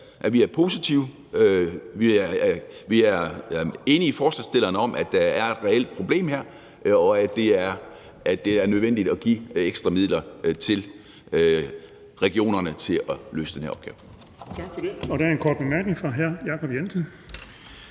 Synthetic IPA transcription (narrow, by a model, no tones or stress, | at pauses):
ʔæʋiæɐpʰo̝ːsit͡sʰiʊ | ʋi | ʋiæɐe̝nəifɒːslæsd̥e̝l̰ɐnəɒ̽mʔæd̥æ̈æɐe̝d̥ʁɛel̰d̥̚pʰʁo̝b̥le̝̰ːmheɐ̰ | ɒ̽æd̥e̝æɐ | ʔæ̥e̝æɐnøð̞ˠʋen̰d̥id̥ɒ̽ɡ̥ieɡ̥sd̥ʁɐmið̰ˠlɐt͡sʰe̝l | ʁɛɡ̥io̝̰ːnɐnət͡sʰe̝ɒ̽lø̰ːsə̥d̥enheɐɒb̥̚ɡ̥ɛːʊ̰ | t͡sʰɑ̈ɡ̥fɒd̥e̝ɒɾ̥æɐenkʰɒːd̥̚b̥emæɐɡ̥neŋfʁɑ̈ɦæɐ̰jɑ̈ːkʰɒb̥jensən